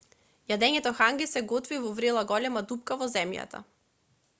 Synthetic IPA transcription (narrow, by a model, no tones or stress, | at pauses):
jad̪ɛɲɛt̪ɔxaŋɡisɛɡɔt̪vivɔvɾelˠaɡɔlɛmad̪upkavɔzɛmja̰t̪a̰